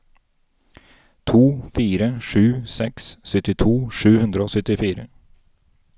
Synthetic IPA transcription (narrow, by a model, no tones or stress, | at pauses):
t̪ʰuːfiːɾəʂʉːsɛksːœt̪ːɪt̪ʰuːʂʉːhɵnd̪ɾəosœt̪ːɪfiːɾə